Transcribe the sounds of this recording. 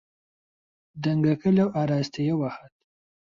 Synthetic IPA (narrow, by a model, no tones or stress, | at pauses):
d̪aŋɡakəlawʔaɾɑst̪ʰejewaxat̪̚